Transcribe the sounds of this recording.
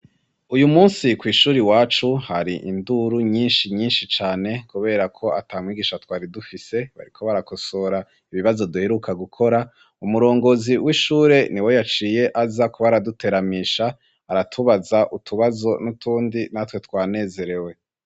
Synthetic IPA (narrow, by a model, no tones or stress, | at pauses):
ujumuːnsikwiːʃuːɾiwaːt͡ʃuhaɾiʔinduɾuɲiːnʃiɲiːnʃit͡ʃaːne̞kuβe̞ɾakʰo̞ʔataːmŋwiːɡiːʃatwaːɾidufise̞βa̰ɾikʰo̞βaɾakosoːɾa | iβiβazo̞duheɾukʰaɡukʰo̞ɾa | umuɾo̞ːŋɡo̞ziwiʃuːɾe̞niwo̞jat͡ʃiːje̞ʔazakuβaɾadute̞ɾamiːʃaː | ɾatʰuβazaʔutʰuβazo̞nutʰuːndinatwe̞twaːne̞ːze̞ɾe̞we̞